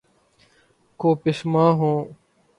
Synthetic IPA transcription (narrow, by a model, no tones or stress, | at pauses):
koːpɪsmãːɦõː